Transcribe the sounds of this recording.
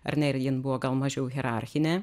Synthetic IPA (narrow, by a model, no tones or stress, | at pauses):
ɐ̰ɾʲnʲɛɪɾʲjɪnbuʋoːɡɐlˠmɐʒʲɛʊɣʲɛɾɑˑɾʲxʲɪnʲɛː